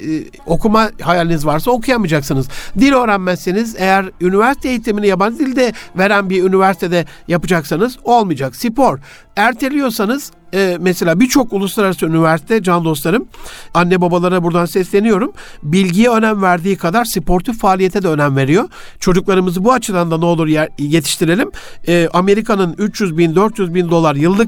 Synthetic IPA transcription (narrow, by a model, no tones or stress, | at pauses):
o̞kʰumahajalʲinizvaɾsao̞kʰujamɯd͡ʒaksɯnɯz̥d̪ilʲø̞ːɾænmæsːenize̞jæɾynivæɾsit̪ʰejit̪ʰiminijapand̪ilʲd̪ɛve̞ɾænbiɾynivæɾsi̥t̪ʰed̪ɛ | japɯd͡ʒaksanɯzo̞lˠmɯd͡ʒaksipo̞ɾ | æɾt̪ʰelʲijo̞sanɯz̥ | ɛmɛselʲaːbiɾt͡ʃʰo̞kulˠuslˠaɾaɾasɯynivæɾsi̥t̪ʰɛd͡ʒand̪o̞st̪lˠaɾɯmanːɛbabalˠaɾabuɾd̪ansɛslʲe̞nijo̞ɾum | bilʲɟijɛø̞næmvæɾd̪iːkʰad̪aɾsipʰoɾt̪ʰufaːlʲije̞t̪ʰɛd̪ɛønæmve̞ɾijo̞ | t͡ʃʰo̞d͡ʒuklˠaɾɯmɯzɯbuat͡ʃʰɯd̪and̪aneo̞lˠuɾje̞t̪ʰi̥ʃt̪ʰiɾe̞lʲimɛːʔame̞ɾikʰanɯnyt͡ʃjyzbind̪øɾt̪jyzbind̪o̞lˠaɾjɯlˠːɯk